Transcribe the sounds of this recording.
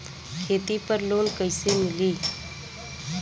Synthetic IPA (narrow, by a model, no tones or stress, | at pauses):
kʰeːt̪ipəɾloːnkəɪsemɪliː